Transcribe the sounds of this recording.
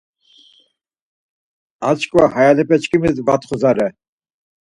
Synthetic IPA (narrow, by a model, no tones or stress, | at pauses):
at͡ʃkʼvahajalɨpɛt͡ʃkimizbat̪χʊzaɾɛ